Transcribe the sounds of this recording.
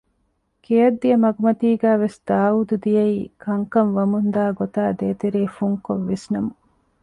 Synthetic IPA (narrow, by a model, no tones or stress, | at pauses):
kejɐd̪ːijɐmɐɡumɐt̪iːɡæːʋesd̪̥aːud̪ud̪ijɐikɐŋkɐnʋɐmund̪aːɡot̪aːd̪eːt̪eɾeːfuŋkoʋːesnɐmu